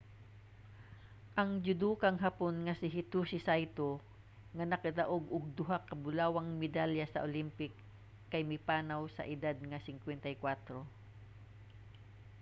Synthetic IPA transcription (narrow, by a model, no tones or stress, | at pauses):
ʔɐŋd͡ʒʊd̪uːkɐŋɦaponŋɐsɪɦɪt̪usɪsajt̪o | ŋɐnɐkɐd̪ɐʔoɡʊɡ̚d̪ʊɦakɐbʊlaːwɐŋmɪd̪aljɐsɐʔolimpɪkː | ɐjmɪpaːnɐwsɐ̰ʔɪd̪ad̪̚ŋɐsɪŋkwɛnt̪ɐjkwat̪ɾo